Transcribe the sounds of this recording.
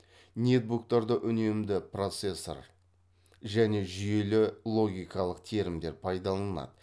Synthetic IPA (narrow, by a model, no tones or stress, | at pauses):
nʲe̞t̪̚buk̚t̪ɑɾd̪əʔʏne̞md̪ɪpro̞t̪se̞sːo̰ɾ | ʒæne̞ʒʏje̞lɪlˠo̞ɡʲijkɑlˠəqt̪ʰe̞ɾɪmd̪e̞ɾpʰɑjd̪ɑlˠɑnɑ̰d̪ə